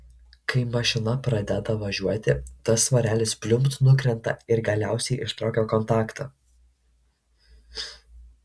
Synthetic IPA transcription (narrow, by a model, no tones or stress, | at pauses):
kɐɪmɐʃʲɪnɐpɾɐd̪ʲɛd̪ɐʋɐʒʲuɔt̪ʲɪt̪ɐsʋɐɾʲæːlʲɪspʲlʲʊmpt̪nʊkɾʲɛnt̪ɐɪɾɡɐlʲæˑʊsʲɛɪʔɪʃt̪ɾoːkʲoːkɔnˑt̪ɑːkt̪ʰɐː